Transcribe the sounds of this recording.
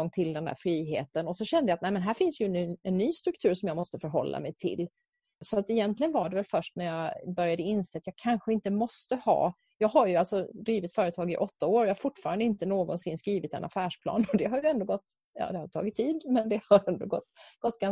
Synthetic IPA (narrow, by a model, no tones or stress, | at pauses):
ɔŋːt̪ʰɪld̪ɛnd̪æ̰ːɾfɾiːɦḛːt̪ənɔsɔɕɛnd̪əjaːt̪nɛæɪmɛnɦæːɾfɪnsjɵnɛnːyːst̪ɾɵkt̪ʰʉ̟ːɾʂɔmjɑːɡmɔst̪əfœɾɦɔ̰lːa̰mɛjt̪ʰɪ̰l | sɔat̪ɛjɛnt̪lɪɡənvaɖɛvɛlfœʂʈnæɾjɑbœɾjad̪əɪnːseːat̪jɑːɡ̚kʰanɧəɪnt̪əmɔst̪əhɑ̰ː | jɑːɡɦaɾjɵalt̪sɔd̪ɾiːvɪt̪fœːɾət̪ʰɑːɡɪ̰ʔɔt̪ːaoːɾɔjɑːhaɾfʊʈːfɑːɾand̪əɪnt̪ənoːɡɔnsɪnːskɾiːvɪt̪ɛ̰nʔa̰fæːʂpʰlɑ̰ːnɔd̪ɛɦaɾjɵɛnd̪oːɡɔt̪ː | jɑ̰ːd̪ɛhaɾt̪ʰɑ̰ːɡɪt̪ʰːiːd̪mɛnd̪ɛhaɛnd̪oːɡɔt̪ːɡ̥ɔt̪ːɡa